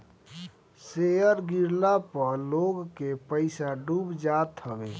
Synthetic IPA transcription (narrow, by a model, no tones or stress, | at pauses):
sejəɾɡiɾlapəɾloɡkepəɪsaɖubd͡ʒat̪həbḛː